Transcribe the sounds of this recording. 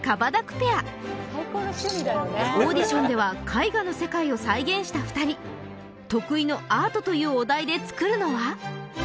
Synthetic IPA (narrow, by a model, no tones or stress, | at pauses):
kabad̪akɯ̟̥pe̞a | aikoːnoɕimʲd̪aoːd̪ʲiɕõ̞nd̪e̞βakʰaiɡano̞se̞kaio̞saiɡẽ̞ɰ̃ɕi̥t̪aɸɯ̟̥t̪aɾʲi | t̪o̞kɯ̟ino̞aːt̪o̞t̪o̞jɯ̟ːod̪aid̪e̞t͡sɨ̥kɯ̟ɾɯ̟no̞βa